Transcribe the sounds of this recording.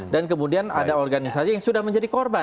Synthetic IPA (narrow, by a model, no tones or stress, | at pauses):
dankəmudianadaɔrɡanisasijaŋsudahməɲd͡ʒadikɔrba